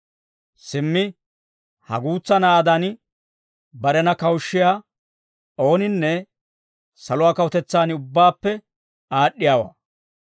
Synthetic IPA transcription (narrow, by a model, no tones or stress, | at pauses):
sɪmːɪ | hɐ̰ɡuːt͡sːɐnaːd̪anɪ | bɐɾɛnɐkɐwʃːɪjaː | o̞ːnɪnːɛ | sɐlʊwaːkɐwʊt̪ɛt͡sːaːnɪʊbːaːpːɛ | aːɗːɪjaːwa̰ː